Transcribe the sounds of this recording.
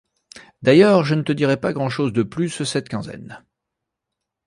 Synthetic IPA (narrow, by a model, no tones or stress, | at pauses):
d̪ajœːʁʒənət̪əd̪iʁɛpaɡʁɑ̃ʃozd̪əplyssɛt̪kʲɛ̃zɛ̰n